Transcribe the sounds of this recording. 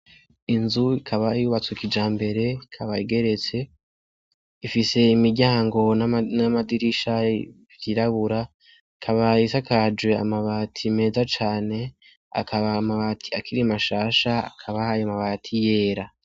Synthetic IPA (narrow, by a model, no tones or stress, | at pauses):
inzuikʰaβaijuβat͡sukid͡ʒaːmbe̞ɾe̞ikʰaβaiɡe̞ɾe̞t͡se̞ | ifise̞imiɾɟaːŋɡo̞nanamadiɾiʃa | ikiɾaβuɾa | kʰaβaisakad͡ʒwe̞a̰maβaːtʰime̞ːzat͡ʃaːne̞ | a̰kaβaːmaβatʰi̥akʰiɾimaʃaːʃaa̰kʰaβaːjomaβatʰije̞ːɾa